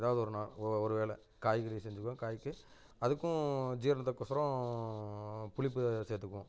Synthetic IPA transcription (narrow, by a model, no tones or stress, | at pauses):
ðaːʋɐðɯɔɾɯnaːɭɔɾɯʋeːɭɛ̰ | kaːjkɐɭɪjsɛɲd͡ʒɯkːõkaːjkːɯ | ɐðɯkːʊ̃d͡ʒiːɾɐnɐt̪ːɐkːɔsɐɾɐ̃ | pʊɭɪpːɯsɛːt̪ːɯkːʊ̃